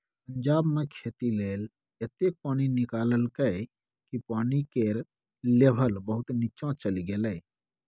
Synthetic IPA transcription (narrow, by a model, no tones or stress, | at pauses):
pəɲd͡ʒaːbmẽkʰeːt̪ileːl | et̪eːk̚paːñinɪkaːləlkəe | kipaːnikeɾ | leːbʱəlbəɦʊt̪nit͡ʃãt͡ʃəliɡeːleː